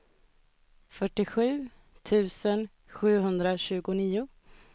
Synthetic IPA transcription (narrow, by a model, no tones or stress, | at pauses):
fœʈːɪɧʉ̟ː | t̪ʰʉ̟ːsən | ɧʉ̟ːɦɵnd̪ɾaɕʉ̟ːɡʊniːʊ